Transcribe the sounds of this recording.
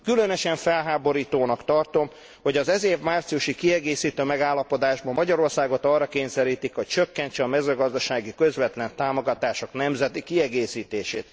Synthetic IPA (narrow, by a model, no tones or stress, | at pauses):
kylønøʃɛɱfɛlɦaːbo̞ɾiːt̪oːnɒkt̪ɒrt̪o̞m | ho̞ɟɒzɛzeːvmaːrt̪sijuʃikiɛɡeːsiːt̪øːmɛɡaːlːɒpo̞d̪aːʒbɒmːɒɟɒɾo̞rsaːɡo̞t̪ɒrːɒkeːɲsɛɾiːt̪ikho̞c̚t͡ʃøkːɛɲt͡ʃɛɒmɛzøːɡɒzd̪ɒʃaːɡikø̞zʋɛt̪lɛnt̪aːmo̞ɡɒt̪aːʃo̞knɛmzɛt̪ikiɛɡeːsiːt̪eːʃeːt̪